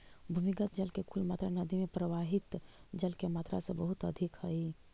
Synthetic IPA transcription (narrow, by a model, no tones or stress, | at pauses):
bʱumikət̪̚d͡ʒəlkekʰulmaːt̪ɾanəd̪ʱimẽpɾəʋaɦɪt̪d͡ʒəlkemaːt̪ɾa̰sebəɦʊt̪əd̪ʱikhəi